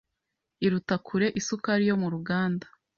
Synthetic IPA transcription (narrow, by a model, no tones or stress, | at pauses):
iɾutakʰuɾe̞ʔisukaɾijo̞muɾuɡaːnda